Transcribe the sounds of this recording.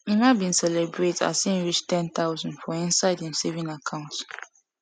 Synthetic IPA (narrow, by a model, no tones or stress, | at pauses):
imabĩnsɛlɛbɹeta̰sĩnɹit͡ʃtʰɛ̃nt̪ʰaʊzɔ̃ndfɔĩnsaɪdhĩmsevĩnakʰãʊ̃nt